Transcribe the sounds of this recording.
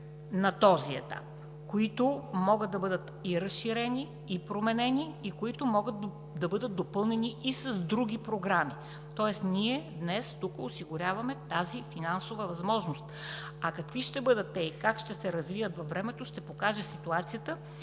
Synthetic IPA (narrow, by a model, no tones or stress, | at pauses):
nɐt̪ɔziɛ̰t̪a̰p̚ | koit̪ʊmɔɡət̪̚d̪ɐbɤd̪ət̪iɾəsʃiɾɛniː | pɾomɛnɛniːkoit̪ʊmɔɡət̪ | d̪ɐbɤd̪ət̪̚d̪opɤlˠnɛniisəzd̪ɾuɡʲipɾoɡɾami | t̪ɔɛsniɛd̪nɛst̪ukəʊsiɡʊɾʲavɐmɛt̪azifinansovəvɐzmɔʒnost̪ | ɐkɐkviʃt̪ɛbɤd̪ət̪ːɛikakʃt̪ɛsɛɾɐzvivət̪vɐfvːɾɛmɛt̪oʃt̪ɛpokaʒɛsit̪uat̪sijət̪ə